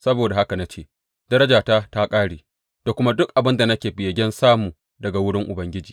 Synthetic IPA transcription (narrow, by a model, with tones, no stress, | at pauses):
sɐ˦boː˨da˨ha˦ka˨na˦t͡ʃeː˦˨ | dɐ˦ɾɐ˦d͡ʒaː˨taː˦ta˦kʼaː˦ɽiː˨ | d̥a˨kʷʊ˦ma˦dʊ˦k̚ʔa˨bɪ˦nda˨nɐ˦kʲeː˨bɪ˨jɐ˨ɡʲɛ˦nsaː˦muː˨ | dɐ˨ɡa˨wʊ˦ɽɪ˦ŋʔʊ˨bɐ˦ŋɡʲɪ˦d͡ʒiː˨